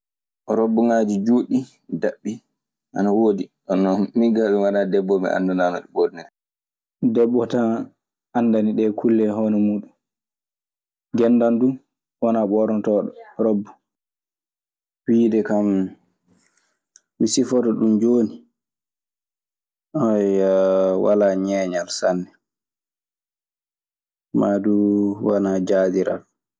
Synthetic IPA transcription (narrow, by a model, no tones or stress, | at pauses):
ʔɔɾobːɔŋaːd͡ʒid͡ʒoːɗi | daɓːi | ʔanawoːdiɗɔnɔmiɡaɓɛwaɗadɛbːɔmɛ̰ʔa̰ndananɔɗɛɓɔɾnɛdɛ | dɛbːɔta | anːdaniɗɛkʰulːɛɦɔnɛmuːɗum | ɡɛnːdandu | wɔnaɓɔɾɔntɔːɗɔɾobːu̥ | wiːdɛkam | misifɔtɔɗumd͡ʒoːni | ajawa̰laːɲɛːɲalsanːɛ | maduwanad͡ʒaːdiɾa̰l